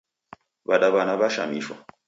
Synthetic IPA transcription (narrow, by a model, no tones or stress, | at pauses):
baɗabanabaʃa̰miʃa̰